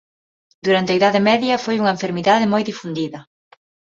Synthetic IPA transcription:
d̪uɾant̪eaiðaðɪmɛðjɐfojuŋɐeɱfeɾmiðaðɪmojðifund̪iðɐ

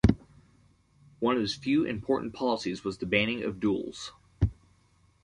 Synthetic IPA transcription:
wʌ̃nʌvɨz̥fjʉʔɨ̰̃mpʰɔɹʔn̩pʰɑlˠəsizwʌzðɨbæ̃ɾ̃ɪ̃ŋʌ̰vdulˠz̥

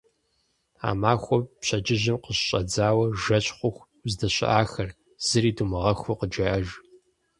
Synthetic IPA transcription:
a̰ːmaːxʷɔpɕɐd͡ʒɪʑɪmqəɕɕʼɐd͡zaːwɐʒɐɕʼχʷʊxʷ | zdɐɕɪ̰ʔaːxɐr | z̥ɨriːdumɨʁɐxʷʊqəd͡ʒɐʔɐʒ

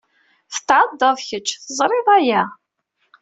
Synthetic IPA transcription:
θə̥t̪ːʕəd̪ːɑðˤçət͡ʃːθəzˤɾˤɪðˤæjæ

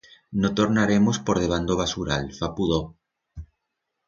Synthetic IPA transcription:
not̪oɾnaɾemospoɾð̞eβ̞and̪oβ̞asuɾa̰lfapuðo

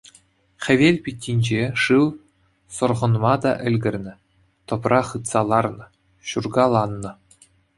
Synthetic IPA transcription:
χʲɘ̆ʋʲelʲpʲitʲːinʲd͡ʑeʂɯw | sŏrʁɤ̆nmɑd̪ɑ̰ʔɘ̆lʲɡʲɘ̆rʲnʲɘ̆ | t̪ɤ̆prɑχɯt̪sɑlˠɑrnɤ̆ | ɕurɡɑlˠɑnːɤ̆

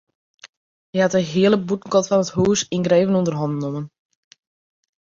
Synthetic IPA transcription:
əatəɦiələbutn̩kɔtfɔnəthuːsinɡreːvənundərɦɔndnomən

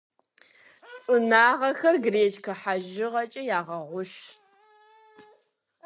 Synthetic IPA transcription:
t͡sʼɨnaːʁɐxɐrɡreːt͡ʃkʰɐħaʒɪʁɐt͡ʃʼɐjaːʁɐʁʷʊʃ

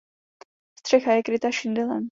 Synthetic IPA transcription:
st̪r̥ɛxajɛkɾɪt̪aʃɪnd̪ɪlɛ̰n

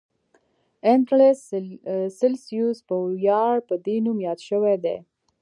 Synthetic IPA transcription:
enʈlessɪlsjuzpəjɑɽpəd̪enumjɑd̪ʃəwed̪ḛ

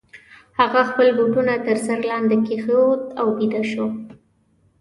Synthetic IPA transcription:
haɣaxpəlbuʈunat̪əɾsaɾlɑnd̪ekexəwt̪awbid̪aʃo

